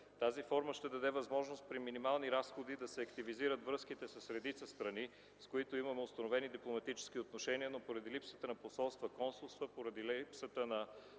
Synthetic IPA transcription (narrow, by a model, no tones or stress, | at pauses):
t̪azifɔɾməʃt̪ɛd̪ɐd̪ɛvɐzmɔʒnost̪̚pɾiminimalˠniɾasxod̪id̪ɐsɛɐkt̪iviziɾət̪vɾɤskit̪ɛsəsɾɛd̪it̪səst̪ɾɐni | skoit̪oimɐmɛʊst̪ɐnovɛnid̪iplˠomɐt̪it͡ʃɛ̥sk̟iot̪noʃɛniənopoɾɐd̪ilipsət̪ənɐposɔlˠst̪vəkɔnsulˠst̪vəpoɾɐd̪ilipsət̪ənɐ